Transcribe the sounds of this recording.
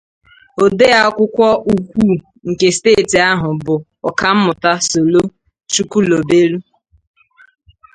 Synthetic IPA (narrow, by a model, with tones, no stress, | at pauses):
o˨de˦a˦ɔ˦kʷʊ˦kʷɔ˦u˨kʷu˦˨ | ŋ̩˨ke˨steː˦˨ti˨a˦ɦʊ˨bʊ˨ | ɔ˨ka˦m̩˦mʊ˨ta˦so˨lo˦ | t͡ʃu˦ku˦lo˨be˦ɾu˦